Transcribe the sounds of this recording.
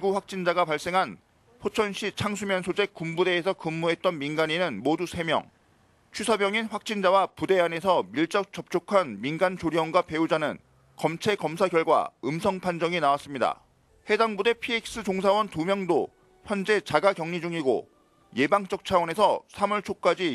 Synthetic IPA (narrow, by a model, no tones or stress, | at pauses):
iɡuɸwak̚t͡ɕ͈ind͡ʑaɡapaɭs͈e̞ŋɦan | ɸʰot͡ɕʰʌnɕʰit͡ɕʰaŋs̬ʰumjʌnsʰod͡ʑe̞k͈ːumbude̞ːsʰʌkɯmːuɦe̞t̚t͈ʌnminɡaɲinɯnmodusʰe̞mjʌ̰ŋ | t͡ɕʰɥisʰabjʌŋinɸwak̚t͡ɕ͈ind͡ʑawapude̞ane̞sʰʌmiɭt͡ɕ͈ʌk̚t͡ɕ͈ʌp̚t͡ɕ͈okʰanminɡant͡ɕoɾiʌnɡwape̞ud͡ʑanɯ̰n | kʌmt͡ɕʰe̞kʌmsʰaɡjʌɭɡwa̰ɯmsʰʌŋpʰand͡ʑʌŋinawas͈ɯmɲida̰ | he̞daŋbude̞pʰiik̚s͈ɯd͡ʑoŋsʰawʌntumjʌŋdo | ɸjʌnd͡ʑe̞t͡ɕaɡakjʌŋɲid͡ʑuŋiɡo̰ | je̞baŋt͡ɕ͈ʌk̚t͡ɕʰawʌne̞sʰʌsʰamuɭt͡ɕʰok̚k͈ad͡ʑi